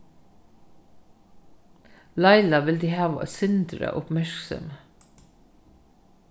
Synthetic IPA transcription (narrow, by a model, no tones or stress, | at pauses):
lɑɪlɑʋɪld̪iːhɑːʋə̰sʏnd̪ɾə̰ʔʊpmæɹksɔ̰mə